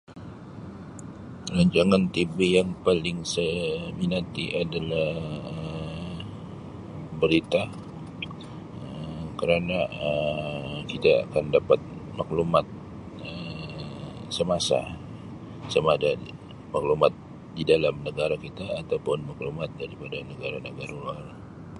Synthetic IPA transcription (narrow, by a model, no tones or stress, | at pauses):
əlaɲd͡ʒaŋant̪ibejaŋpalɪŋsəminat̪iʔadalahə | bəɾit̪a | əkəɾanaə | kit̪a̰ːkandapat̪̚maklumat̪̚ | ə | səmasa̰ | səmadai | maklumat̪̚ | didalamnəɡaɾakit̪aːt̪awpʊnmaklumat̪̚daɾipadanəɡaɾanəɡaɾaluar